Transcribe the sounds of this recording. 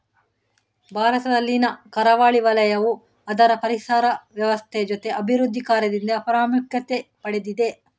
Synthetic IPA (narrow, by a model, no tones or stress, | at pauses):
bʱaːɾɐt̪ɐd̪ɐlːinɐkɐɾɐʋaːɭiʋɐlɐjɐʋu | ɐd̪ɐɾɐpɐɾisaːɾɐʋjɐʋɐst̪ʰeɐd͡ʒot̪eʔɐbʱiɾud̪ʱːikaːɾjɐd̪ind̪ɐɐpɐɾaːmukjɐt̪epɐɽed̪id̪e